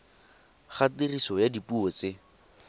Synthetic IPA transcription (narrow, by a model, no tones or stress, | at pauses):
χatɪrisɔjadipuɔt͡sɪ